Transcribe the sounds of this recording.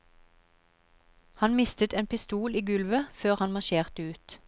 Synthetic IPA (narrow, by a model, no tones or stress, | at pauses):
hɑnmɪst̪ət̪eːnpɪst̪uːliːɡʉlʋəføːʁhɑnmɑʃeːʁt̪əʉːt̪